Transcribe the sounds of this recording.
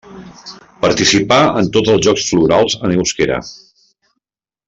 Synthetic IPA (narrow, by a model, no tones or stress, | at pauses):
pəɾt̪isipaənt̪ozəlˠzʒɔksfluɾalˠzəneuskeɾə̰